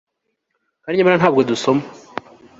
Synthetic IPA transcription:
kaɾiɲamaɾanaːbɡoduso̞ma

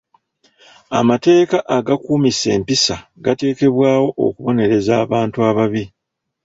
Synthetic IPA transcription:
a̰mate̞ːkaʔaɡakuːmise̞̰ːmpisaɡate̞ːke̞βwaːwo̞ʔo̰kuβo̞ne̞ɾe̞zaːβaːntuaβaβi

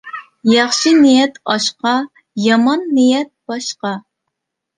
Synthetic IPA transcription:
jɑχʃinɪjɛt̪ɑʃqɑ | jɑmɑnːijɛt̪̚b̥ɑʃqɑ

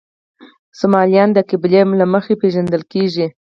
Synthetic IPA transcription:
sʊmɑlijɑnd̪əkɪblemlaməxepeʒand̪əlkeʒi

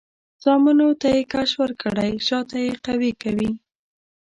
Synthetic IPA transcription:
z̥ɑmɪnot̪ajekaʃwəɾkəɽajʃɑt̪ajeqawikawi

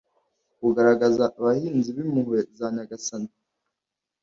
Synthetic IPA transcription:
kuɡaɾaɡazaʔːβahiːnziβimuhwezaːɲaɡasana

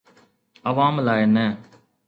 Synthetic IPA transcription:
əʋaːmlaːenɛ̃ː

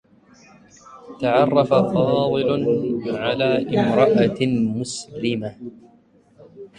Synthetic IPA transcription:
t̪aʕɑrˤːɑfafɑːd̪ɨlʕalaːʔɪmɾˤɑʔamʊslɪma

